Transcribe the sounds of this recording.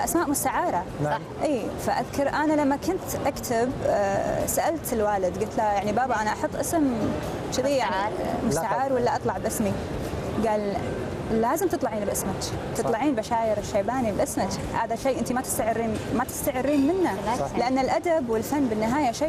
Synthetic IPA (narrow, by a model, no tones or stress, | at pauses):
ʔasmaːʔmʊst̪aʕaːɾˤɑ | ʔiːfaʔaðkɑɾˤʔanalamːakʊnt̪ʔakt̪ʰɪb | saʔalt̪ɪlwaːlɪd̪ɡʊlt̪lajaʕnibaːbaʔanaʔɑħɑt̪ˤːʔɪsm | t͡ʃɪðiːʕmʊsaʕaːɾwɪlːaʔɑt̪ˤlɑʕbʔɪsmi | ɡaːlː | aːzɪmt̪ɨt̪ˤlɑʕiːnbʔɪsmat͡ʃt̪ɨt̪ˤlɑʕiːnbaʃaːjɪɾɪʃːaːbaːnibʔɪsmat͡ʃhaːðaʃeːʔɪnt̪imat̪ɪ̥st̪aʕɪrːiːnmat̪ɪ̥st̪aʕɪrːiːnmɪnːalɪʔanːɪlʔad̪abwɪlfanːbɪnːɪɦaːjaʃeː